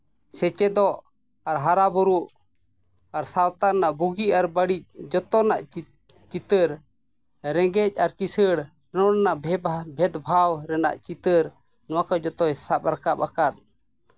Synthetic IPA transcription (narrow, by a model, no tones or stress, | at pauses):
sɛt͡ʃɛd̪ɔʔ | aɾɦaɾabuɾuʔ | aɾsawt̪aɾnaʔbuɡiaɾbəɽic̚d͡ʒɔt̪ɔnaʔ | t͡ʃit̪əɾ | ɾɛɡɛc̚ˀaɾkisəɽ | ɾɛnɔɾɛnaʔbʱɛt̪bʱawɾɛna̰ʔt͡ʃit̪əɾ | nɔwakad͡ʒɔt̪ɔjsap̚ɾakapakat̪̚